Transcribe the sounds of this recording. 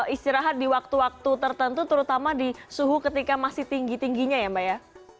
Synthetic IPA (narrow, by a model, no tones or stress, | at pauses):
ist̪iɾaɦat̪̚diwak̚t̪uwak̚t̪ut̪ərt̪ənt̪ut̪əɾut̪amadisuɦukət̪ikamasɪht̪iŋɡit̪iŋɡiɲajambaja